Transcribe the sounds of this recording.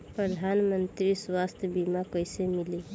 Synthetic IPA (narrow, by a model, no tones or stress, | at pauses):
pɾʌd̪ʱanmənt̪ɾiswast̪jəbimakʌjsemili